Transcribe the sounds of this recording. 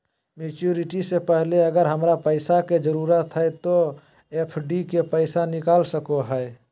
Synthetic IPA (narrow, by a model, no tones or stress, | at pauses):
meːt͡ʃuːɾɪʈisepɛɦleɐɡəɾɦəmɾapəɪsaked͡ʒəɾuːɾət̪ɦɛt̪o | epʰɖikepəɪsanɪkaːlsəkoɦɛe